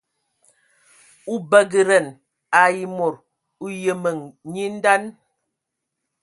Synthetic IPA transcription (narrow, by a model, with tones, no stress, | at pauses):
u˦bə˦ɡə˨ɾə˨n | a˨ji˨mo˨ɾ | u˦jə˨mə˨ŋɲi˦n̩˦da˦n